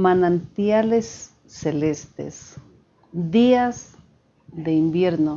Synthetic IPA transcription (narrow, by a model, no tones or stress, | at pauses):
manant̪jalesː | elest̪ḛs | d̪iaz | d̪eimbjeɾno